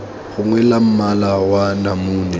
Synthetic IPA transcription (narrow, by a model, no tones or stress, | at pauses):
ɣʊŋwɛlam̩malawanamuːnɛ